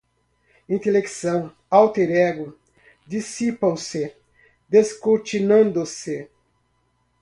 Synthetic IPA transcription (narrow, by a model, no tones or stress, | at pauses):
ĩnt̪eleksɐ̃w̃ | awt̪eɾɛɡʊ | d̪isipɐ̃w̃sɪ | d̪eskot͡ʃinɐ̃nd̪ʊsɪ